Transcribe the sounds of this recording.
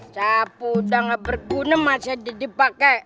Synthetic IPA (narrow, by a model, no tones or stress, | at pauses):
sapudaŋabərɡunəmasadidipakɛ